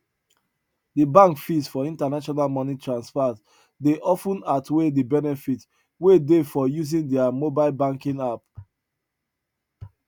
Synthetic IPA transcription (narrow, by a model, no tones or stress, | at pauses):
dəbãŋkfisfɔĩntanaʃɔnalmɔnitʰɹãnspat | deʔɔfə̃natʰwedibɛnɛfit | wedefɔjuzĩndɛamobaɪlbãŋkĩŋap̚